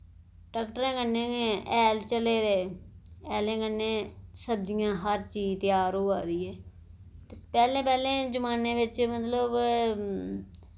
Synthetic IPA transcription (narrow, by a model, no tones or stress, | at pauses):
ʈaːkʈəɾẽːkənːẽːeɛːlt͡ʃəleːɾeː | ɛːlẽːkənːẽːsəbd͡ʒɪjãːɦəɾt͡ʃiːd͡ʒt̪ɪjaːɾɦoːa̰ːɾiːɛː | t̪epɛːlẽːpɛːlẽːd͡ʒəmaːnẽːʋɪt͡ʃmət̪ləb